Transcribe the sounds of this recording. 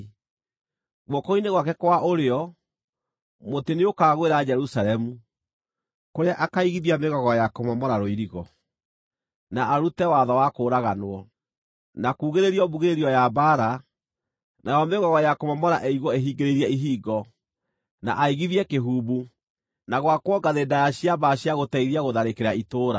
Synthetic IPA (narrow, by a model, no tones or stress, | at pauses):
ɣwɔkɔineɣwakɛkwaʔoɾeɔ | moteneokaːɣweɾad͡ʒɛɾusaɾɛmu | koɾeaʔakaiɣiðiameɣɔɣɔjakomɔmɔɾaɾoiɾiɣɔ | naʔaɾutɛwaðɔwakoːɾaɣanoɔ | nakuːɣeɾeɾiɔbuɣeɾeɾiɔjabaɾa | najɔmeɣɔɣɔjakomɔmɔɾaʔɛiɣɔeɦiːɡeɾeɾiɛiɦiːɡɔ | na̰ʔaiɣiðiɛkeɦuːβu | naɣwakwɔɡaðeːndajaɕiabaɕjaɣotɛiɾiaɣoðaɾekeɾaitoːɾa